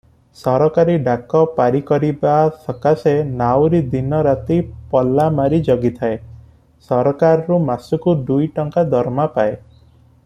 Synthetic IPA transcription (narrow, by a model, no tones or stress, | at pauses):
sɔɾɔkaɾiɖakɔpaɾikɔɾibaːsɔkasenawɾid̪inɔɾat̪ipɔlːamaɾid͡ʒɔɡit̪ʰae | sɔɾɔkaɾɔɾumasukuɖujʈɔŋkad̪ʱɔɾmapae